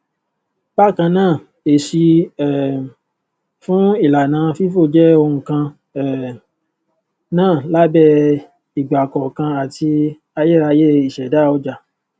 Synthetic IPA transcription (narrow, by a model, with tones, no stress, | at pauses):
ba˦˨kã˧nãː˦˨ | e˨ʃi˧ɛ˦˨ | fũ˦i˦˨la˨nãː˨˦fi˦fo˦˨d͡ʒɛ˦o˧ɾũ˧kã˧ | ɛ˦˨ | nãː˦˨la˦bɛ˦ | i˨ɡ͡ba˨kɔ˨kã˧a˨tʰi˧ | a˧jɛ˦˨ɾa˧je˦i˦˨ʃɛ˨da˦˨ɔ˧˦d͡ʒa˨